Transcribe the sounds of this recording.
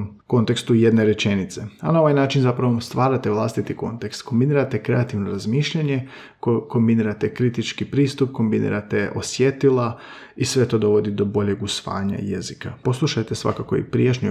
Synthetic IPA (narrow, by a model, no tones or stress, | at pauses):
ko̞nt̪e̞kst̪ujed̪ne̞ɾe̞t͡ʃenit̪se̞anao̞ʋajnaːt͡ʃinzapɾaʋost̪ʋaːɾat̪e̞ʋlˠast̪it̪iko̞nt̪e̞kst̪ko̞mbiniːɾat̪e̞kɾe̞at̪iʋno̞ɾazmiːʃʎaɲe̞ | koko̞mbiniːɾat̪e̞kɾit̪it͡ʃkipɾiːst̪up̚ko̞mbinḭːɾat̪e̞ʔo̞̰sjet̪ilˠa | isʋe̞t̪o̞ːd̪o̞ʋo̞d̪id̪o̞bo̞ʎe̞ɡusʋa̰ːɲa̰ḭjezikapo̞slˠuʃajt̪e̞sʋa̰kako̞ḭpɾijet͡ʃɲu